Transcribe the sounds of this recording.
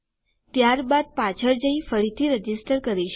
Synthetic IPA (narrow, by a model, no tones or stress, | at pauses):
t̪jaɾbad̪̚pat͡ʃʰəɾd͡ʒəĩfəɽit̪ʰiɾəd͡ʒisʈəɾkəɾiʃ